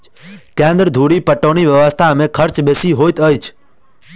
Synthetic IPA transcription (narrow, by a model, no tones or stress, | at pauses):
kẽnd̪ɾd̪ʱuɽipəʈoniʋjəʋəst̪ʰamẽkʰəɾt͡ʃbesiɦojt̪əjt͡ʃʰ